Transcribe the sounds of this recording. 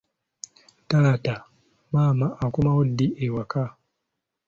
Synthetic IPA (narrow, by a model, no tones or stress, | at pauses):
talata | maːmaʔːkumawodːiewaka